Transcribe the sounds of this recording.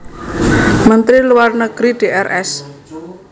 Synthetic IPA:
mənt̪ɾiluwarnəɡ̥ɾiɖ̥e̤ʔɛrʔɛs

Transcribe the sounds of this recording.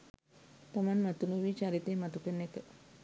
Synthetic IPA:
t̪amanmat̪unuʋiːt͡ʃaɾit̪emat̪ukənːekə

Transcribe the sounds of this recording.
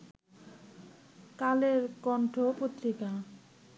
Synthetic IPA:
kaleɾkɔɳʈʰopot̪ɾika

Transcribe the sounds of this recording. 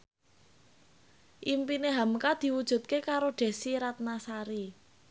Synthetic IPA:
ʔimpineɦamkad̪̥i̤wud̥ʒ̥ṳt̪̚kekaɾoɖ̥e̤siɾat̪̚nasaɾi

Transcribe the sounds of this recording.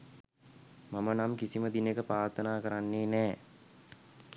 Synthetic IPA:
mamənamkisiməd̪inekəpɾaːrt̪ʰənaːkəɾanːeːnɛː

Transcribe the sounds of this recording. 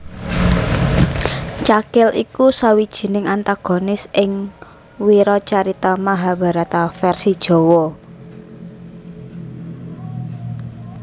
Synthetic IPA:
t͡ʃakɪlḭkusawid̥ʒ̥i̤nɪŋant̪aɡ̥o̤nɪsɪŋ | wiɾɔt͡ʃaɾit̪amaɦab̥a̤ɾat̪afɛrsid̥ʒ̥ɔ̤wɔ

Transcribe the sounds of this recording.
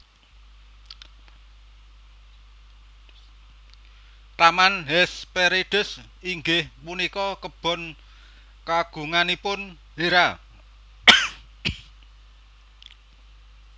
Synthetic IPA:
t̪amanɦɛspeɾiɖ̥ʊ̤s | iŋɡɪhpunikɔkəb̥ɔ̤n | kaɡ̥ṳŋanipʊn | heɾa

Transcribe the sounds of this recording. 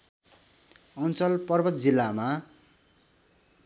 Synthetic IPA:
ʌnt͡sʌlpʌrbʌt̪̚d͡zilːama

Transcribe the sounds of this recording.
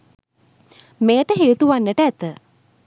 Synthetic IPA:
meːʈəɦeːt̪uʋanːəʈəæt̪ə

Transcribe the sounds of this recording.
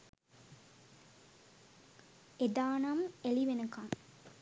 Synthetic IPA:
ed̪aːnɐmeliʋenəkɐŋ

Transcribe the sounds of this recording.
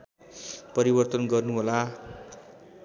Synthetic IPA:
pʌɾibʌrt̪ʌnɡʌrnuɦola

